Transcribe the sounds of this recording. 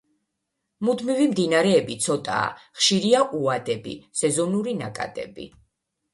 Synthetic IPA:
mud̪mivimd̪inaɾɛːbit̪sʰɔt̪ʼa̰ːχʃiɾiaʔuad̪ɛbḭsɛzɔnuɾinakʼa̰d̪̥ɛ̰bḭ

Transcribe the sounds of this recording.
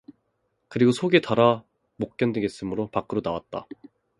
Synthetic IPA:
kɯɾiɡosʰoɡe̞taɾa | mok̚k͈jʌndeɡes͈ɯmɯɾopak͈ɯɾonawat̚t͈a̰

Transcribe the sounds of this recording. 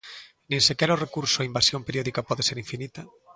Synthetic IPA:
nẽŋsekɛɾaʊrekuɾsʊaimbasjõmpeɾjɔðikapɔðeseɾĩɱfinit̪ɐ

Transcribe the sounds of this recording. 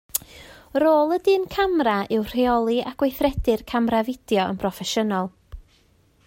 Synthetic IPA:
roːlˠədɨːnkʰamraɪwr̥eɔlˠiaɡ̥wejθrɛdɨrkʰamravɪd̥jɔə̰npʰrɔfɛʃənɔlˠ

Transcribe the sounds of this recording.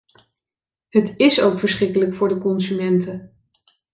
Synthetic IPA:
ɦətɪsowkfəɹsχrɪkələkfʊːɹdəkɔnsymɛntə

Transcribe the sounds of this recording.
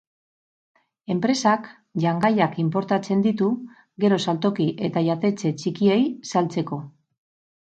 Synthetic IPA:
e̞mpɾe̞sak | ʝaŋɡajakimpo̞ɾt̪at͡se̞nd̪it̪u | ɡe̞ɾo̞salt̪o̞kiʔe̞t̪aʝat̪e̞t͡se̞t͡ʃikie̞jsalt͡se̞ko̞

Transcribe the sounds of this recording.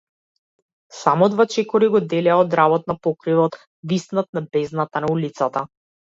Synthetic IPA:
samɔd̪vat͡ʃɛkɔɾiɡɔd̪ɛlɛaɔd̪ɾabɔt̪̚napɔkɾivɔt̪ | visnat̪̚nabɛznat̪anaulit̪sat̪a

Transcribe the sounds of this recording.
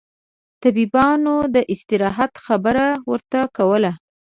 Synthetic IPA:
t̪abibɑnod̪əʔɪst̪ɪɾɑɦat̪xabəɾawəɾt̪akawəla

